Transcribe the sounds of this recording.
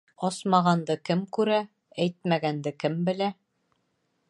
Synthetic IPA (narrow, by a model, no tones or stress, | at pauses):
ɒsmɑʁɑnd̪ɤkɘmkʉɾæ | æjt̪̚mæɡænd̪ɘkɘmbɘ̆læ